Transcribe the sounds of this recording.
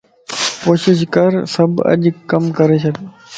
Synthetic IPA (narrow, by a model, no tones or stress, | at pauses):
koːʃɪʃkəɾsəbə̰ʄkəmkəɾeːt͡ʃʰet̪